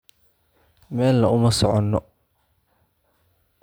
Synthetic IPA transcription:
mɛːlːɐʊmɐsɔʕɔnːɔ

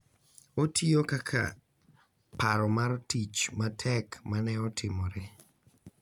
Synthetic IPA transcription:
otʰiokakʰa̰ | paɾɔmaɾtit͡ʃmatʰɛkmanɛɔtʰɪmoɾe

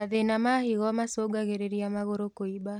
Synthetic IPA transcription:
aðenamahiɣɔmasoɡaɣeɾeɾiamaɣoɾokoiba

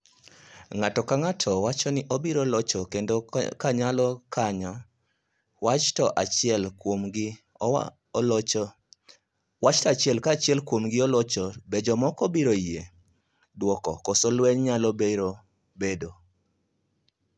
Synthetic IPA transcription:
ŋatɔkaŋatʰɔwat͡ʃɔnɪʔɔbiɾolɔt͡ʃɔkendokaɲalɔkaɲa | wat͡ʃtɔʔat͡ʃɛlkwomɡɪ | wat͡ʃtaat͡ʃɪɛlkat͡ʃɪɛlkwomɡɪɔlɔt͡ʃɔbed͡ʒɔmɔkɔbiɾoie | dwɔkɔkosɔlwɛɲɲalɔbeɾo | bedo

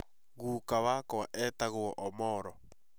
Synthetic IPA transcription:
ɣuːkawakɔaʔɛtaɣoɔʔɔmɔɾɔ

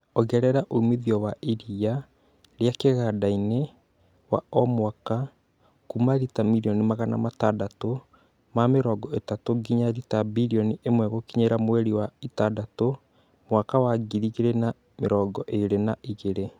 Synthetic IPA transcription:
ɔɣɛɾɛɾaʔoumeðiɔwaʔiɾia | ɾjakeɣadaine | wa̰ɔmwaka | kumaɾitamiɾiɔnimaɣana̰matadato | mameɾɔːɡɔetatoɡiɲaɾitabiɾiɔniʔemwɛɣokiɲeɾamwɛɾiwaitadato | mwakawaɡiɾiɣeɾena | meɾɔːɡɔʔeɾenaʔiɣeɾe

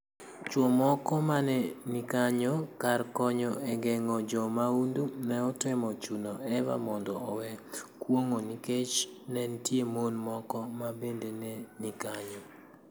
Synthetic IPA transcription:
t͡ʃwɔmɔkɔmanɛnikaɲɔkarkɔɲɔɛɡɛŋɔd͡ʒɔmaundunɛɔtwɪmɔt͡ʃunɔɛba̰mɔndɔɔwɛkwoŋoniket͡ʃnɛntjemonmɔkɔmabendenenikaɲɔ

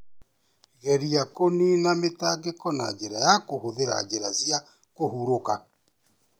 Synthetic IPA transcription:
ɣɛɾiakoninametaɡekɔna̰d͡ʒeɾajakohoðeɾa̰d͡ʑeɾazja | kohuɾoka

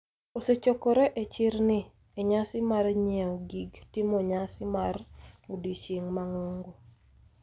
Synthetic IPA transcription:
oset͡ʃokɔɾɛʔet͡ʃɪɾnɪ | eɲasɪmarɲɛɔɡiɡtɪmoɲasɪmarudit͡ʃiŋmaŋoŋɡo

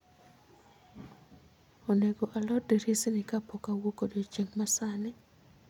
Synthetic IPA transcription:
oneɡoʔalɔdeɾisinɪkapokawokodot͡ʃeŋmasanɛ

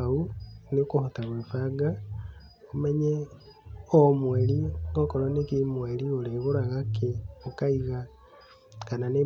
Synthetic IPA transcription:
aunekohotaɣwefaɡa | omɛɲɛ | omweɾiɔkɔɾɔnekemweɾioɾeɣoɾaɣakeokaiɣa | kanane

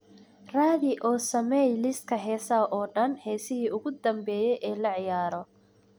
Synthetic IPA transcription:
raːðɪʔɔːsɐmɛjlɪst̪̚kʰɐɦɛːsɐʔɔːɖɐnhɛːsɪɦiːʊɣʊd̪ɐmbɛːjɛjʔɛːlɐʕɪjaːɾɔ

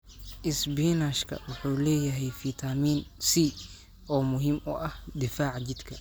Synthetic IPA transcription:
ʔɪsbiːnaːʃkʰɐ̰wʊħuːlɛːjɐɦɛjfit̪ʰamiːnsiː | ʔɔːmʊɦiːmɔ̰ʔɐhd̪ɪfaːʕt͡ʃɪd̪kʰɐ

